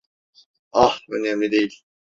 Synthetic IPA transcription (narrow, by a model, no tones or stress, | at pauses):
ɑhønɛmlʲid̪ejilʲ